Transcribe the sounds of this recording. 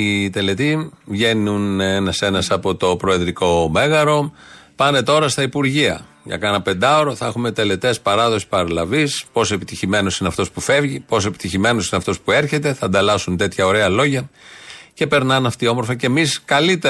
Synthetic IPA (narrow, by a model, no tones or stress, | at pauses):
it̪e̞le̞t̪ivʝe̞nunenɐse̞nɐsɐpo̞t̪o̞pɾo̞e̞ðɾiko̞me̞ɣɐɾo̞pɐne̞t̪o̞ɾɐst̪ɐipuɾʝiɐ̰ | ʝɐ̰kɐnɐpe̞nd̪ɐoɾo̞θɐexume̞t̪e̞le̞t̪e̞spɐɾɐðo̞si̥pɐɾɐlɐvispo̞soe̞pit̪içime̞no̞sineɐft̪o̞spufe̞vʝipo̞soe̞pi̥t̪içime̞no̞sineɐft̪o̞spue̞ɾçe̞t̪e̞θɐnd̪ɐlɐsunt̪e̞t̪çɐo̞ɾe̞ɐlo̞ʝɐ | ce̞pe̞ɾnɐnɐft̪io̞moɾfɐce̞miskɐlit̪e